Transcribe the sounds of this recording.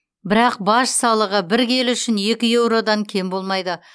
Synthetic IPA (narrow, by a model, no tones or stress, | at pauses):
bɪɾɑq̚bɑʃsɑlˠəʁəbɪɾkʲʰe̞lʏʃɪnje̞kʲɪje̞wɾo̞d̪ɑŋkʲʰe̞mbolˠmɑjd̪ə